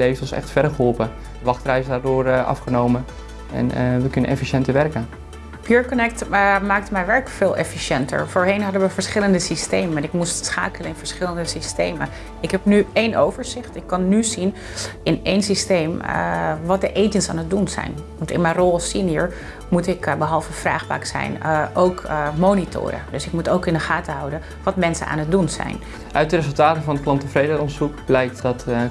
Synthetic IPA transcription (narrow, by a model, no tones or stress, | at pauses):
lejftɔsɛ̰χtfɛdəχəɦɔlˠpə | dəʋɑχtrɛjzədaːɹdoːrʔɑ̰fχənowmə | ɛ̰nʋəkɵnə̰nɛ̰fiʃɛntəɹʋɛrkən | pʰjuːɹkɔnɛk̚tmaːk̚tmɛjʋɛɹkfɪːlˠʔɛ̰fiʃɛntə̰ɹfoːɹɦejnɦɑdənʋəvəɹsχɪləndəsistejmənɪkmustsχa̰ːkələnɪnv̥əɹsχɪləndəsistejmə̰n | ɪkɦɛpnyejnʔowvəɹzɪχtɪkːɑnːyzin | ɪnejnsistejmʋɑt̚dəʔejtənsaːnət̚dunzɛ̰jnʋɑntɪ̰nmɛjrɔlˠsiniəɹ | mutɪkbəɦɑlˠvəfra̰ːχpa̰ːksɛ̰jnʔowkmownitʰʊ̰ːɾə̰dɵsɪk̚mutowkɪndəχaːtəɦɑwdən | ʋɑtmɛnsə̰na̰ːnɦət̚dunzɛ̰jn | ʔœɥt̚dərezəlˠtaːtəvɑnəklɑntəfrejdəɾɔnsukblɛjk̚tdɑt